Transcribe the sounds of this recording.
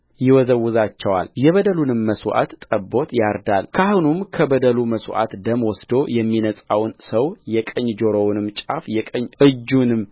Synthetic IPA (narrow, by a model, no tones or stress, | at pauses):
jɪwɔzəwːʊzat͡ʃːɛwa̰ljɛβəd̪əlunɨmːəswʔa̰t̪ːʼəbo̞t̪jaɾd̪alkʰahunumkʰəbəd̪əluməswʔa̰t̪d̪əmwɔsd̪o̞jɛmːinəsʼawnsəwjɛkʼəɲːd͡ʒoɾownɨmt͡ʃʼafjɛkʼəɲːʔɨd͡ʒːunɨm